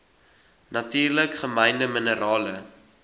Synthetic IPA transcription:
nɐtiːrləkχəmɛjndəmənəɾɑːlə

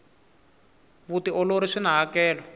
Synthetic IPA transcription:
βutiʔɔloɾiʂinaɦakɛːlɔ

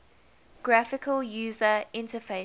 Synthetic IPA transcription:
ɡ̥ɹafɪkʰəljuːzəɪ̃ntəfeɪ

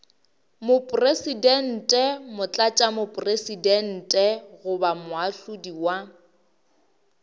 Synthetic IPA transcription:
mʊpʼresidɛn̩tʼɛmʊt͡ɬʼat͡ʃʼamʊpʼresidɛn̩tʼɛɣʊbamʊaɬʊdiwa

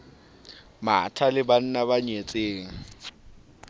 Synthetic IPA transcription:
ma̰tʰalɪban̩nabaɲet͡sʼeːŋ̩

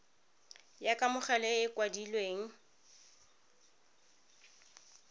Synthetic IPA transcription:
jakʼamʊχɛlɛɪkwadilweːŋ̩

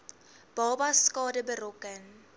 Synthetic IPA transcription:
b̥ɔbaskɔdɛbɛrokɛn

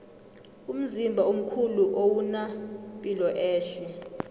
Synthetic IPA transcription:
um̩zimbʱaom̩kʰuluʔowunapʼilɔʔɛːɬɛ

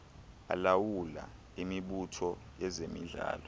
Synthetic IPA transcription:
a̰lawula̰ | imiɓutʰɔjɛzemḭɮa̰ːlɔ

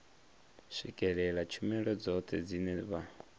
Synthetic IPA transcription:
sʷikʼɛɺɛɺat͡ʃʰumɛɺɔd͡zɔt̪ʰɛd͡zinɛβa

